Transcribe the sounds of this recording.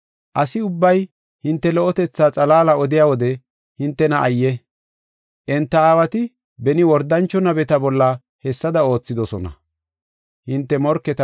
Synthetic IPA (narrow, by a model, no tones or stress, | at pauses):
ʔɐsɪʊbːɐj | hɪnt̪ːɛlɔɔt̪ɛt͡sːaːt͡sʼɐlaːlɐɔd̪ɪjaːwɔd̪ɛ | hɪnt̪ːɛnɐʔɐjːɛ | ʔɛnt̪ːɐaːwɐt̪ɪ | bɛnɪwɔɾd̪ɐnt͡ʃːɔnɐbɛt̪ɐbɔlːɐ | hɛsːɐd̪ɐo̞ːt͡sːɪd̪ɔsɔnɐ̰ | hɪnt̪ːɛmɔɾkːɛt̪ɐ